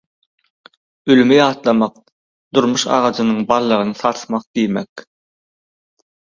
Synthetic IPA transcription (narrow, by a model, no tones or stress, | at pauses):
ylymyjɑːt̪lˠɑmɑq̚ | d̪̥uɾmuʃɑ̰ʁɑd͡ʒɯnɯɴbɑlˠːɑʁɯnɯθɑɾθmɑq̚d̪̥ijmḛk